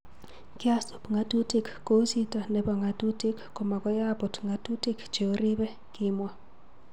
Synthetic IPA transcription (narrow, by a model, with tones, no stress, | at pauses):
kja˦su˨pŋa˦tu˦ti˨kːo˦si˦ta˨ne˨bɔ˨ŋa˨tu˦ti˦kːo˨ma˨kɔ˦ja˦pʊ˨tŋa˨tu˦ti˦kt͡ʃe˨o˦ɾi˦bɛ˦ | kɪ˦mwa˦